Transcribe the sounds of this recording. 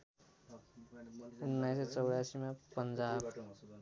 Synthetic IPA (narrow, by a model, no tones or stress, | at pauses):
unːajset͡sʌwɽjasimapənd͡zaːb